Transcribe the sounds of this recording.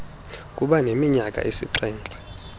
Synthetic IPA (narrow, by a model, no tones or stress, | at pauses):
kʼuɓanemiɲakʼa̰ʔisḭǀɛːnd͡ɮʼḁ